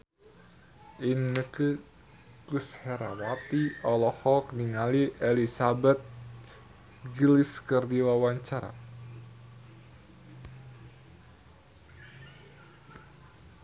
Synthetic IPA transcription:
ʔinːəki | kushɛɾa̰wat̪iɔlɔhɔk̚niŋaliʔelisabɛt̪̚ | ɡiliskərdiwawaɲt͡ʃaɾa̰

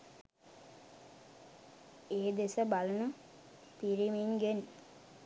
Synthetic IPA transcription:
eːd̪esəbalɐnu | t̪iɾiminɡen

